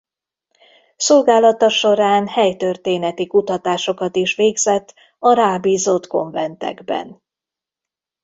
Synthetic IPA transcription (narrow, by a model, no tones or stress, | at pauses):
so̞lɡaːlɒt̪ɒʃo̞ɾaːnhɛjt̪ørt̪eːnɛt̪ikut̪ɒt̪aːʃo̞kɒt̪iʃʋeːɡzɛt̪ː | ɒɾaːbiːzot̪ko̞ɱvɛnt̪ɛ̰ɡbɛ̰n